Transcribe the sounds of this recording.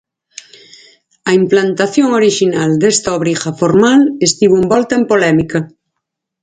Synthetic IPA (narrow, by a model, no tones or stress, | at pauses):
ɐimplant̪aθjoŋoɾiʃinald̪est̪aoβɾixafoɾmalest̪iβuumbɔlt̪aempolɛmika